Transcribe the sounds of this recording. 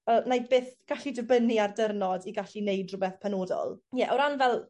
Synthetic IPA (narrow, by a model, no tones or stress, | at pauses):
ənajbeːθɡ̥aɬidəbəniardərnɔdiɡaɬinejdrʊbɛθpʰɛnoːdɔ̰lˠjɛʔɔɾanvɛlˠ